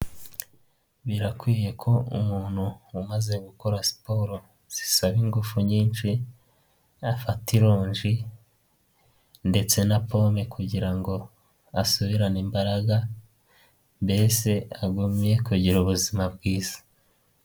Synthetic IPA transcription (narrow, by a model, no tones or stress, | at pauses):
βiɾakwiːje̞kʰo̞ṵmuːn̥huːmaze̞ɡuko̞ɾasi̥po̞ɾo̞ | z̥i̥saβiŋɡufuɲiːnʃi | afatiɾoːɲʒi | nde̞t͡se̞napomekuɟiɾaŋɡo̞ | asuβiɾanimbaɾaɡa | mbe̞se̞aɡumje̞kuɟiɾuβuzimabɡiːz̥ḁ